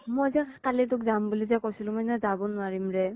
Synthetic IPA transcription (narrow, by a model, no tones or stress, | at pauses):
mojzakalit̬ʊkzambulizakojsilʊ̃mojnazabɔnʊaɹimɹɛ